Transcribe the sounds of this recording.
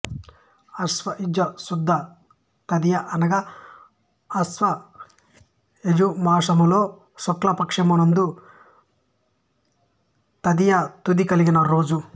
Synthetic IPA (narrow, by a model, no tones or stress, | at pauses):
ɐsʋɐʔid͡ʒɐsud̪ʱːɐ | t̪ɐd̪ijɐʔɐnɐɡɐ | sʋɐ | ed͡ʒumaːʂɐmulo̞ː | sɔklɐpɐkʂɐmunɐnd̪u | t̪ɐd̪ijɐt̪ud̪ikɐliɡinɐɾo̞ːd͡ʒu